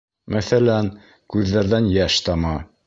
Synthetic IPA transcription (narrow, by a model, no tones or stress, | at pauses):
mæθælæn | kʉðːæɾðænjæʃt̪ɑmɑ